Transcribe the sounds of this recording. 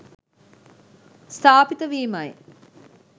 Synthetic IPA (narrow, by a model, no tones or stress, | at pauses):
st̪ʰaːpit̪əʋiːmɐj